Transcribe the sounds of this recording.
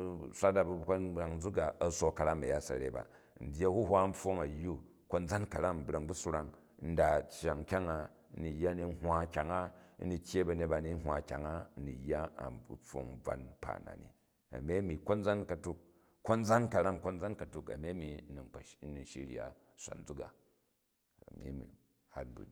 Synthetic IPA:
sʷa˦da˨bu˦˨ka˦ɾa˨ŋ˦d͡zu˦ɡa˨ɐ˨so˦kɐ˨˧ɾa˦mɐ̰˨ja˦sɐ̰˨ɾḛ˨ba̰˨n̩˨dʲe˦hu˦ɦʷa˦n̩˦ɸo˦ŋɐ˨jːu˦ | ko˦nd͡za˦nkɐ˨ɾa˦m̩˨bɾa˨ŋbu˦su˦ɾa˦ŋ | n̩˦da˨t͡ʃːa˨ŋ˨kʲa˦ŋa˨˦ | ni˨jːa˦ni˨˦ɦʷwa˦kʲa˨ŋa˦ni˦tʲje˦bɐ˨ne˨t̚ba˧˦ni˦n̩˦ɦʷa˨kʲa̰˨ŋa˦˨ni˨jːa˦a̰˨p͡fo̰˨ŋ̩˦b͡va̰˦npa̰˨na̰˨nḭ˨ | ɐ̰˨mʲe˦mi˨ko˦nd͡za˦nkɐ˨tu˦kː | o˦nd͡za˦nkɐ˨ɾa˦mko˦nd͡za˦nkɐ˨tu˨kɐ̰˨mʲe˦mi˨˦ni˨ŋɐ˨˦ni˨ʃḭ˦ɾi˦a̰˨ | sʷa̰˨n˦d͡zu˦ka̰˨ | ɐ̰˨mʲḭ˦mḭ˨ | ha˦t̚bṵ˨n˨

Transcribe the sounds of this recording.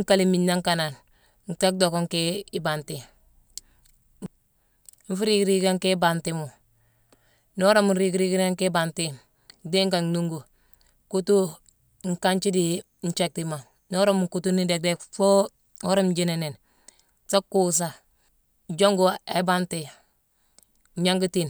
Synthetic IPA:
ŋka˦li˨mi˨nːa˦ŋka˨na˨n | ŋ̩˨ta˦k̚do˨ko˦ŋke˦i˦ba˨nti˨ | ɱ˦fu˦ɾi˦kɾi˦ɡa˦ŋke˦ba˨nti˦mu˨ | no˦ɾo˦mu˨nɾi˦ɡɾi˦ɡi˦ɾa˦ŋke˦ba˨nti˦ | de˦ŋka˨ŋnu˦ŋɡo˨ | ku˦tu˦ | ŋ̩˨ka˦nt͡ʃi˦di˨ | n̩˦t͡ʃe˦k̚ti˨ma˨ | no˦ɾo˦mu˨ŋku˦tu˦ni˦de˨k̚de˦kfo˦ | o˦ɾo˦md͡ʒi˦ne˨ne˨n | ta˦kːu˦s̬a˨ | d͡ʒo˦ŋɡo˦e˨˦ba˦nti˨ | ɲa˦ŋɡu˦ti˨n

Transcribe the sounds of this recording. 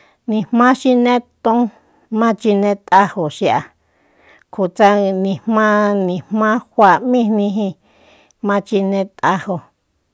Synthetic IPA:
nĩ˧hmmã˦ʃi˧nẽ˦t̪õ˦ | mã˦t͡ʃi˧nẽ˧˦t̪ʼa˧ho˨ʃi˧a˨ | kʰu˨t͡sa˧nĩ˧˨hmã˦nĩ˨hmã˦hʷa˧˨mĩ˦˧nnĩ˧ɦĩ˧ | mã˧t͡ʃi˧nẽ˧t̪a˧ho˧

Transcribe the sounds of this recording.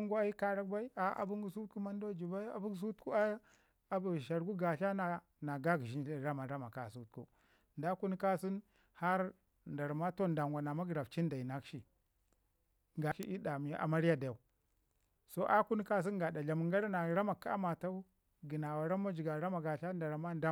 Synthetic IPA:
ŋɡa˦a˦ji˦ka˨ɾa˦kba˦i˦a˦ʔa̰˨bu˦ŋɡu˦su˦tku˦ma˦n˦do˦d͡ʒi˨ba˦a̰˨bu˦ɡs̬u˦tku˦a˦ | a˨bu˨ʃa˨ɾɡu˦ɡa˨ɬa˦na˨ | na˨ɡa˦ɡi˨ʃi˦ɾa˦ma˨ɾa˦ma˨ka˨su˦t̚kṵ˦ | nda˦ku˦n˦ka˦si˦n | ha˦ɾ | nda˨ɾma˦to˦nda˨ŋɡʷa˨na˨ma˦ɡɾa˨ft͡ʃi˦n˦da˨i˨na˦kʃi˨ | ŋɡa˨ʃi˦ʔi˦da˨mi˨˦a̰˨ma˦ɾi˦ja˦da˨j | so˦ʔa˦ku˦n˦ka˦s̬i˦ɡa˨da˨ɮa˨mu˨ŋɡa˦ɾa˦na˨ɾa˦ma˨ka˦a̰˦ma˨ta˦u˦ | ɡi˨na˨wa˨ɾa˦m˦a˦d͡ʒi˨ɡa˨ɾa˦ma˨ɡa˨ɬa˦nda˨ɾma˦da˦

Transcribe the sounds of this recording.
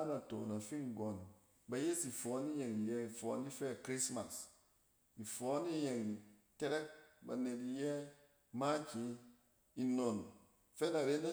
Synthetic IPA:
a˦na˨to˨na˨fi˦ŋ˨ɡo˨n | ba˨je˦si˨fɔ˨˦ni˦je˨ŋi˨jɛ˦i˨fɔ̰˨˦ni˦fɛ˦˨kɾi˦sma˨s | i˨fɔ˨˦ni˦je˨ŋi˨ | te˦ɾe˦k̚ba̰˨ne˨ti˨jɛ˦ | ma˦t͡ʃi˦ | i˨no˨n | fɛ˦na˨ɾe˦na˦

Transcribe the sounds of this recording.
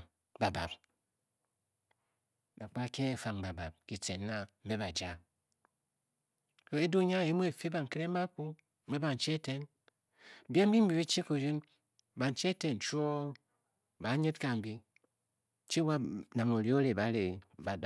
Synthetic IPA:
ba˨ba̰˨p̚ | na˨k͡pa˦ke˦e˨fa˨ŋba˨ba˨p̚ki˨t͡se˨nːa˨m̩˦be˦ba˨d͡ʒa˦ | ko˦e˦du˦ɲa˦˨e˨˦mu˦e˨fi˦ba˨ŋ˨ke˦ɾe˦a˦ku˦ | m̩˦be˦ba˨n̩˨t͡ʃi˦e˦te˨n˨ | bje˦m̩˦bi˦m̩˦bi˨bi˦t͡ʃi˦ku˨d͡ʒi˦n˨ | ba˨n˨t͡ʃi˦e˦te˨n˨t͡ʃu˦o˦ | ba˨˦ɲe˦tka˨m̩˨bi˦˨ | t͡ʃi˦wa˦na˨ŋo˨ɾi˦o˦ɾe˨ba˨˦ɾe˨

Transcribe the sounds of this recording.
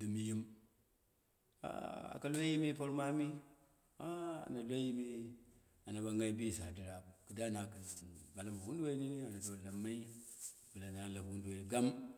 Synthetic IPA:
di˨mi˦ji˦m | a̰˨a̰˨ka˦lʷe˦ji˦mi˦po˦ɾma˦mi˦ | a˦a̰˨na˨lʷe˦ji˦mi˦ | a˨na˨ba˨ŋɡa˦i˦bi˦˨sa˨di˨ɾa˨kɨ˨da˦na˨kba˨la˦ma˨wu˦ndwe˦i˦ni˦ni˦a˨na˨do˨la˨mːa˦i˦ | bɨ˨la˨na˨˦˨la˨kwu˦nde˨ni˨ɡa˦m

